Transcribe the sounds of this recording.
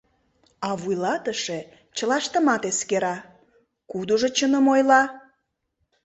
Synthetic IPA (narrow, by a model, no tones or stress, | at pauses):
ɑβujlɑt̪əʃe | t͡ɕə̆lɑʃt̪əmɑt̪eskeɾɑ | kud̪oʒot͡ɕənəmojlɑ